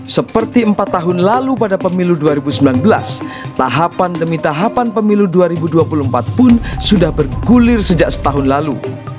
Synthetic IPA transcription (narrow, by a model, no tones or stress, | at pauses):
səpərt̪iəmpat̪ːaɦʊnlalupadapəmiluduaɾibusəmbilanbəla̰s | t̪aɦapandəmit̪aɦapanpəmiluduaɾibuduapuluəmpat̪̚pʊnsudahbərɡulɪrsəd͡ʒaʔsə̥t̪aɦʊnlalu